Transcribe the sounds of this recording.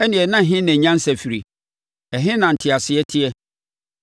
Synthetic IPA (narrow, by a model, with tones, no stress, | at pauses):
ɛ˦nɪ̃˨ɛ˨nã˦˨ɦɪ̃˦næ̃˨ɲã˦n̩˦sæ˨fi˨ɾi˨ | ɛ˨ɦɪ̃˦nã˨n̩˨tʰɪ˨a˨sɪ˨ɛ˦tʰɪ˦ɛ˦